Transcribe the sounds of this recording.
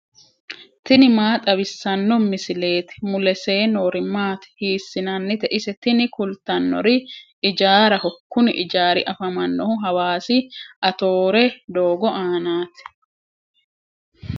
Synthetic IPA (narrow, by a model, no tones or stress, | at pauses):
t̪ɪnɪmaːt̪ʼɐβɪsːɐnːɔmɪsɪle̞ːt̪ɪ̥mʊlɛse̞ːnoːɾɪmːaːt̪ɪ̥hiːsːɪnɐnːɪt̪ɛʔɪsɛt̪ɪnɪkʊlt̪ɐnːɔ̰ɾɪ | ɪd͡ʒaːɾɐhɔkːʊnɪʔɪd͡ʒaːɾɪ̰ʔɐfɐmɐnːɔhʊɦɐwaːsɪʔɐt̪oːɾɛd̪o̞ːɡɔʔaːnaːt̪ɛ̥